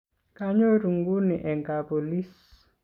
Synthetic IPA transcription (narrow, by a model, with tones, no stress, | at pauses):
ka˦ɲo˦ɾu˨ŋɡu˦ni˨ʔɛ˨ŋka˨po˨li˦s